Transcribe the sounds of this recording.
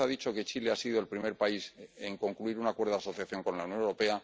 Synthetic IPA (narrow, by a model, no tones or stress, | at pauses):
aðit͡ʃo̞ke̞t͡ʃile̞asiðo̞e̞lpɾime̞ɾpaise̞ŋko̞ŋkluiɾunakwe̞ɾðoaso̞θjaθjo̞ŋko̞nlauwnjo̞newɾope̞a